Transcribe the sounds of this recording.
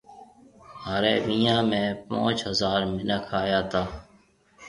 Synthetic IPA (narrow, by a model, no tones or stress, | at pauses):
ɦaɾeːmijãːmẽːpõ̰ːt͡ʃɦəzaːɾmɪnəkʰaːjaːt̪ʰaː